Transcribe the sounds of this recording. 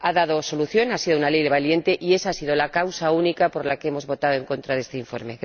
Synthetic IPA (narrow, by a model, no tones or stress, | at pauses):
aðað̞o̞so̞luθjo̞nasiðounalejðeβalje̞nt̪e̞ʔie̞saasið̞o̞lakawsaunikapo̞ɾlakeemo̞zβo̞t̪aðoe̞ŋko̞nt̪ɾaðest̪e̞iɱfo̞̰ɾme̞